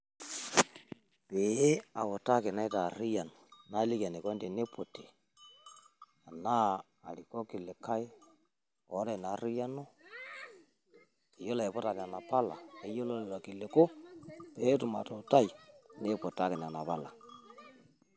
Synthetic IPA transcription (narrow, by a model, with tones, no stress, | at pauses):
pe˨˦a˨wɔ˨ta˦kɪ˨na˦jta˨ɾi˦ja˨n˨na˦lɪ˦ka˨ne˨kɔ˦nde˨ne˦pʰo˨te˨ | a˨naː˦˨ | ɾi˨kɔ˦kɪ˨le˨ka˦ɪ˦ | ɔ˨˦ɾa˨na˨˦ɾi˦ja˦nɔ˦ | e˨jɔ˦la˨e˨pɔ˦ta˨n˨a˨na˨pa˦la̰˨e˨jɔ˦lɔ˦la˨kɪ˨le˨ko˦pe˨˦tʊ˨ma̰˨tɔ˨ta˦i˨ne˦pɔ˨ta˦kɪ˨na˨na˨pa˦la˨